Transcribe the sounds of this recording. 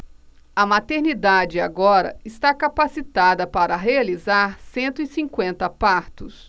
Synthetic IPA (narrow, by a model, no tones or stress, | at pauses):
ɐmat̪eɾnid̪ad͡ʒɪa̰ɡɔɾɐ̰ɪst̪akapasit̪ad̪ɐpaɾɐɦealizaɾsẽnt̪ʊisĩŋkwẽnt̪ɐpaɾt̪ʊs